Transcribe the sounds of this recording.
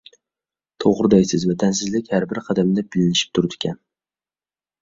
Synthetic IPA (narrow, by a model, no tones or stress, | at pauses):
t̪ʰoʁɾɨd̪ajsɪzvat̪ʰans̬ɪzlɪkʲhaɾbɪɾqʰɑd̪amd̪abɪlɪnɪʃɪ̥p̚t̪ʰʊɾd̪ɪ̥kʲʰan